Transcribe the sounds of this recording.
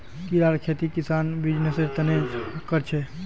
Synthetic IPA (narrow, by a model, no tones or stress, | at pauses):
kiɾaɾkʰet̪ikisanbid͡ʒnesed͡ʒt̪ənekəɾt͡ʃʰɛ